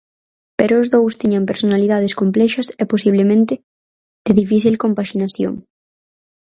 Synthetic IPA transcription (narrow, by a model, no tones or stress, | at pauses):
peɾoːzðowst̪iɲɐmpeɾsonaliðað̞eskomplɛʃɐsɛposiβlemẽnt̪ɪ | d̪ɪðifiθilkompaʃinaθjo̰ŋ